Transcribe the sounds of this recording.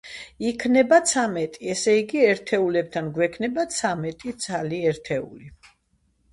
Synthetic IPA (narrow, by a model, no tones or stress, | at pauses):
ikʰnɛbat̪sʰamɛt̪ʼiɛsɛiɡiɛɾt̪ʰɛulɛb̚t̪ʰanɡwɛkʰnɛbat̪sʰamɛt̪ʼit̪sʰaliɛɾt̪ʰɛṵli